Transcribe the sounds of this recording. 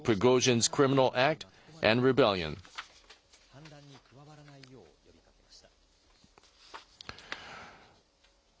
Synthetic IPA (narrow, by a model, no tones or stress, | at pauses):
pʰɨɡoʊʒɨ̃nz̥kʰɹ̥ɪ̃mɪnəl̩ˠʔæk̚t | ʔɨ̃nɹɨbɛlˠjɨ̰̃n